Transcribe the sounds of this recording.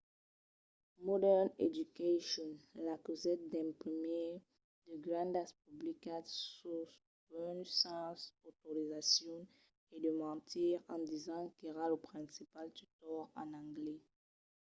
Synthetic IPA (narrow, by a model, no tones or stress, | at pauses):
mɔd̪ɛʁnḛd̪ykaʃɔnlakuzɛt̪̚d̪ɛ̃pχime | d̪̥əɡʁɑ̃nd̪aspublikad̪sus | ɛnsɑ̃sot̪oʁizasjɔ̃ | ed̪əmɑ̃t̪ʰiʁɑ̃d̪izɑ̃kiʁaləpχɛ̃sipalt̪yt̪ɔʁɑ̃nɑ̃ɡlɛ